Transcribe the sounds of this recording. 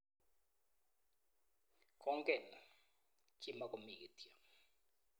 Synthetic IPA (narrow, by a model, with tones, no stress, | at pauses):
kʰʼɔ˦ŋ˦kʼɛ˨na˨ | kʰʼi˨ma˨kʼo˨mi˨tʼja˨